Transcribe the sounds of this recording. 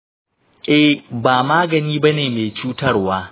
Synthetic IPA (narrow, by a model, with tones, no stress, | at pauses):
ʔɛ˦baː˨maː˦ɡɐ˨niː˦bɐ˦neː˨meː˨t͡ʃuː˦tɐ˦rwaː˦